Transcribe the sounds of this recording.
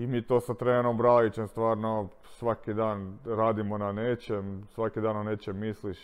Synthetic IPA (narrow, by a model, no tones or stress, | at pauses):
imiːt̪oːsat̪ɾeːnombɾalit͡ɕest̪ʋaːɾno | sʋakid̪aːnɾaːd̪imonaneːt͡ʃemsʋakid̪aːnoneːt͡ʃemːisliʃ